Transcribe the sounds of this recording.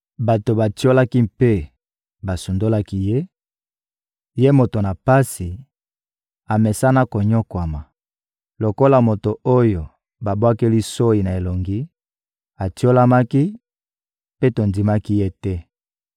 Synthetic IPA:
ba˨to˨ba˨ti˦o˦la˦ki˦mpe˦ | ba˨su˨ndo˦la˦ki˦je˦ | je˦mo˨to˨na˨pa˦si˨ | a˨mɛ˨sa˦na˦ko˨ɲo˦kwa˨ma˨ | lo˨ko˦la˨mo˨to˨o˦jo˨ | ba˨bwa˦ke˦li˦so˦i˨na˨e˨lo˨ŋɡi˦ | a˨ti˦o˦la˦ma˦ki˦ | pe˦to˨ndi˨ma˦ki˦je˦tɛ˦

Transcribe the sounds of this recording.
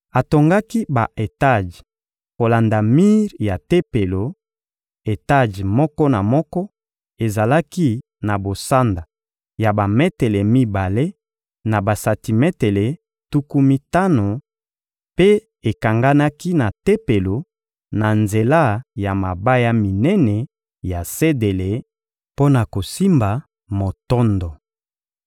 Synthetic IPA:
a˨to˨ŋɡa˦ki˦ba˨ʔe˨ta˦˨d͡ʒ | ko˨la˨nda˨mi˦ʁja˨te˦pe˨lo˨ | e˨ta˦˨ʒmɔ˦kɔ˦na˨mɔ˦kɔ˦ | e˨za˨la˦ki˦ | na˨bo˨sa˦nda˨ | ja˨ba˨me˦te˨le˨mi˦ba˨le˦ | na˨ba˨sa˨ti˨mɛ˦te˨le˨ | tu˦ku˦mi˦ta˦no˨ | pe˦ | e˨ka˨ŋɡa˦na˦ki˦na˨te˦pe˨lo˨ | na˨nze˨la˦˨ja˨ma˨ba˦ja˦mi˨nɛ˦nɛ˨ | ja˨se˦de˨le˨ | po˦na˨ko˨si˦mba˨ | mo˨tɔ˦ndɔ˨

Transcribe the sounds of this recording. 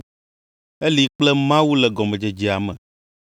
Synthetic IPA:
e˦li˨k͡plɛ˦mã˦wu˦lɛ˨ɡɔ˨mɛ̃˨d͡ʒe˨d͡ʒi˨a˨mɛ̰̃˨

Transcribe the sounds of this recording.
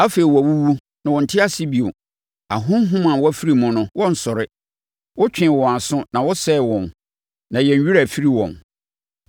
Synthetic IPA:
a˦fe˨i˨wɔ˨a˨wu˦wu˦ | nã˨wɔ˨n̩˨tʰɪ˦a˦sɪ˦bi˨o˨ | a̰˨ɦʊ̃˦m˦ɦʊ̃˦mã˨wɔ˦æ˦fi˦ɾi˨mʊ̃˨nʊ̃˦wɔ˦n̩˨sɔ˨ɾɪ˦ | wɔ˦t͡ɕᶣɪ̃˨wɔ̃˨a˨sʊ̃˦nã˨wɔ˦sɛ˦˨wɔ̃˨n | nã˨jɛ̃˨ɲ˦ɥi˦ɾa˨fi˦ɾi˨wɔ̰̃˨n

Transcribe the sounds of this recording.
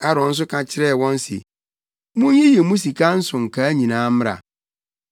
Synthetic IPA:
a˦ɾɔ̃˨n̩˦s̬ʊ˦kʰã˨t͡ɕʰɪ˦ɾɛ˦˨wɔ̃˦n̩˦sḭ˨ | mũ˦hɪ̃˦jɛ˨mũ˦s̬i˨kʰa˦n̩˦sʊ̃˨ŋ̩˨kʰa˨˦ɲĩ˨nãː˦mɪ˦ɾa̰˨

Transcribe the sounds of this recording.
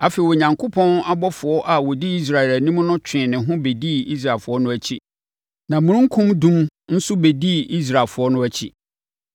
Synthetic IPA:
a˨fe˨i˨ɔ˨ɲã˨ŋkʰʊ˦pʰɔ̃˦na˦bɔ˦fʊ˨ɔ˦ʔa˨wɔ˨di˦i˦s̬ɾa˨ɛ˨læ˨nĩ˦m˦nʊ̃˦t͡ɕᶣɪ̃˨nɪ̃˨ɦʊ̃˦be˨di˦˨i˦s̬ɾa˨lfʊ˨ɔ˦nʊ̃˦æ˦t͡ɕʰi˦ | nã˨mũ˨˦ɾũ˦ŋ̩˦kʰũ˦mdũ˦mn̩˦sʊ˦be˨di˦˨i˦s̬ɾa˨fʊ˨˦ɔ˦nʊ̃˦æ˦t͡ɕʰḭ˦

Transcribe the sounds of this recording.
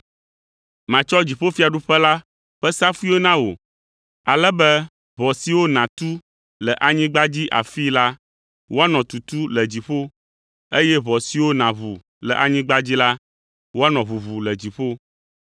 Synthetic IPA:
mã˨t͡ʃɔ˦d͡ʑi˨ɸo˦fi˦a˨ɖu˦ɸɛ˦la˦ | ɸɛ˦sa˦fu˦i˦o˦nã˦wo̰˨ | a˨lɛ˦bɛ˦ | βɔ˨si˨wo˦nã˨t̪u˦ | lɛ˨ʔa˨ɲĩ˦ɡ͡ba˦d͡ʑi˦ʔa̰˨fi˦la˦ | wo˦a˦nɔ̃˨t̪u˨t̪u˦lə˨d͡ʑi˨ɸo˦ | e˦jɛ˦βɔ˨si˨wo˦nã˨βu˨ | lɛ̰˨ʔa˨ɲĩ˦ɡ͡ba˦d͡ʑi˦la˦ | wo˦a˦nɔ̃˨βu˨βu˨lə˨d͡ʑi˨ɸo˦

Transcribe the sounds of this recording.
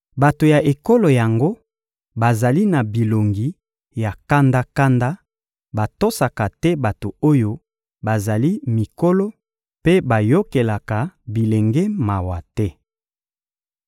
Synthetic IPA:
ba˨to˨ja˨ʔe˨ko˦lo˨ja˨ŋɡo˦ | ba˨za˨li˦na˨bi˨lo˨ŋɡi˨ | ja˨ka˦nda˦ka˦nda˦ | ba˨to˦sa˨ka˨tɛ˦ba˨to˨o˦jo˦ | ba˨za˨li˦mi˨ko˦lo˦ | pe˦ba˨jo˦ke˨la˨ka˨bi˨le˨ŋɡɛ˦ma˨wa˨tɛ˦

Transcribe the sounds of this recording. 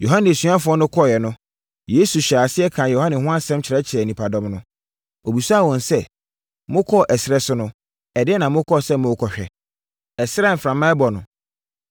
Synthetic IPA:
jo˨ɦã˦nɪ̃˨su˨˦ã˦fʊ˨˦ɔ˦nʊ̃˦kʰɔ˦˨jɛ˨nʊ̃˦ | je˦su˨ɕaː˨sɪ˦ɛ˦kʰã˨jo˨ã˦nɪ̃˨hʊ̃˦ã˦sɛ̃˦mt͡ɕʰɾɛ˦t͡ɕʰɪ˨ɾɛ˨nĩ˨pʰa˨dɔ̃˦mnʊ̃˦ | o˨bi˨su˦a˦˨wɔ̃˨nsɛ˦˨ | mʊ̃˦kʰɔ˦˨ʔɛ˨sɪɾɛ˦sʊ˦nʊ̃˦ | ɛ˨dɪ˦ɛ˦nã˨mʊ̃˦kʰɔ˦˨sɛ˦mʊ̃˦kʰɔ˨ɕᶣɛ̰˨ | ɛ˨sɪ˦ɾɛ˦m̩˨fɾã˨mã˦ɛ˦bɔ˨nʊ̃˨

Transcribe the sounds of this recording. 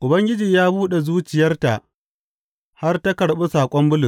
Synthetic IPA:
ʔʊ˨bɐ˦ŋɡʲɪ˦d͡ʒiː˨jaː˦buː˦ɗe˨zuː˦t͡ʃɪ˨jɐ˦rta˨ʔ | ha˦rta˦kɐ˨ɽɓe˦saː˨kʷʼɔ˦mbʊ˦lʊ˨s

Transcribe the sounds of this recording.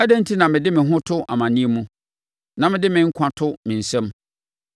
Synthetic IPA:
æ˦dɛ̃˦n̩˦tʰi˦nã˨mɪ̃˨dɪ˦mɪ̃˨ɦʊ̃˦tʰʊ˦ʔa˨mã˨nĩ˦e˨mũ˦ | nã˨mɪ̃˨dɪ˦mɪ̃˨˦ŋ̩˦kʷʰã˦tʰʊ˦mɪ̃˨n̩˨sɛ̃˦m

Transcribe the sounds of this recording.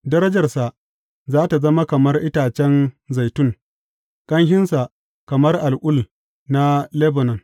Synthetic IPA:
dɐ˦ɾɐ˦d͡ʒɐ˨rsa˨ʔ | zaː˦ta˨zɐ˦ma˦kɐ˨mɐ˦rʔɪ˦taː˨t͡ʃɛ˦nza˨jtʊ˦ŋ | kʼɐ˦ŋhɪ˦nsa˨ | kɐ˨mɐ˦rʔa˨lʔʷʊ˦l | na˦le˦bo˨nɐ˨ŋ

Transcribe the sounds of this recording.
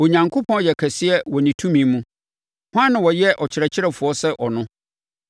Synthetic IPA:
o˨ɲã˨ŋkʰo˦pʰɔ̃˦˨jɛ˨kʰɛ˨sɪ˦ɛ˦wɔ˨nĩ˨tʰũ˦mĩ˨˦mũ˦ | hʊ˦ã˦nːã˨wɔ˨jɛ˦ʔɔ˨t͡ɕʰɪ˨ɾɛ˨t͡ɕʰɪ˦ɾɛ˨fʊ˨ɔ˦sɛ˦ʔɔ˨nʊ̃˦

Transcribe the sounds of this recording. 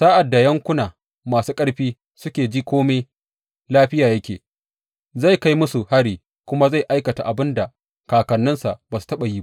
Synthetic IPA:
saː˦ʔa˨dːa˨jɐ˦ŋkʷʊ˦naː˨ | maː˨suː˦kʼɐ˦ɽɸiː˦ | sʊ˦kʲeː˨d͡ʒiː˦kʷoː˦me˦j | laː˦ɸɪ˦jaː˨jɐ˦kʲeː˨ | za˦˨jka˦jmʊ˦su˨ha˦ɽiː˨ | kʷʊ˦ma˦za˦˨jʔa˦jkɐ˨ta̰˨ʔa˨bɪ˦nda˨ | kaː˨kɐ˨nːɪ˦nsa˨ʔbaː˨su̥˨tɐ˦ɓa˨jiː˦a˦ʔ

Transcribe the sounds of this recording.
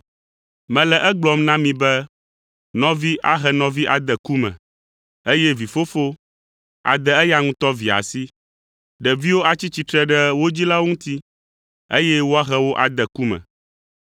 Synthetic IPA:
mɛ̃˨lɛ˨ʔɛ˦ɡ͡blɔ˨mnã˦mĩ˨bɛ˦ | nɔ̃˨vi˦ʔa̰˦ɦɛ˨nɔ̃˨vi˦ʔa˨d̪ɛ˨ku˦mɛ̰̃˨ | e˦jɛ˦vi˨fo˦fo˦ | a̰˨d̪ɛ˨ɛ˦ja˦ŋũ˦t̪ɔ˦vi˨a̰˨si˦ | ɖɛ˨vi˦wo˦a˨t͡ɕi˦t͡ɕi˨t̪ɾɛ˦ɖɛ˦wo˦d͡ʑi˦la˦wo˦ŋũ˦t̪i˦ | e˦jɛ˦wo˦a˦ɦɛ˦wo˦ʔa˨d̪ɛ˨ku˦mɛ̰̃˨

